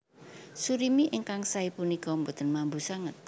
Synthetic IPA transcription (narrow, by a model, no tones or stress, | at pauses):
suɾimiʔɪŋkaŋsaipunikɔmbot̪ə̤nmambusaŋət̪̚